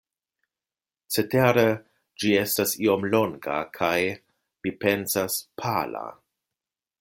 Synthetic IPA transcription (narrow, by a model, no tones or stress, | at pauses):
t͡seteɾe | d͡ʒiestasio̞mloŋɡa̰kʰaj | mipe̞nsaspʰala̰